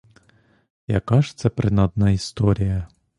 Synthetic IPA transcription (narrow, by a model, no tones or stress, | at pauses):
jɐ̰kɑʂt̪sɛpɾɪnɑd̪nɑist̪ɔɾʲijɐ